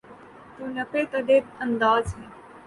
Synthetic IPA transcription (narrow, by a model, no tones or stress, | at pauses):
t̪ũːnɐpeːt̪ɐd̪eə̃nd̪aːzɦɛ̃ː